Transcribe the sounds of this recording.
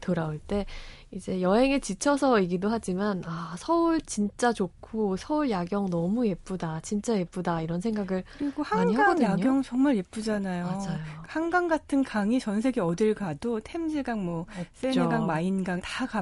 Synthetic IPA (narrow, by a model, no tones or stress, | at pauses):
toɾauɭt͈e̞ | id͡ʑe̞jʌɦe̞ŋɯt͡ɕit͡ɕʰʌsʰʌiɡidoɦad͡ʑimanasʰʌuɭt͡ɕint͡ɕ͈at͡ɕokʰosʰʌuɭjaɡjʌŋnʌmuje̞p͈udat͡ɕint͡ɕ͈aje̞p͈udaiɾʌnsʰe̞ŋɡaɡɯɭɾiɡohamaɲiɦaɡaɡʌŋdɯaɡjʌŋt͡ɕʌŋmaɭep͈ud͡ʑanajomad͡ʑajohaŋɡaŋɡatʰɯnkaŋit͡ɕʌns̬ʰe̞ɡiʌdɯɭɡadotʰemd͡ʑiɡaŋmwʌset͡ɕoɡaŋmainɡaŋtaka